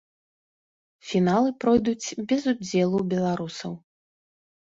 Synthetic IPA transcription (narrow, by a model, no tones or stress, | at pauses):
fʲinalˠɨpɾɔjd̪ut͡sʲbʲɛzud͡zʲɛlˠubʲɛlˠaɾusɐw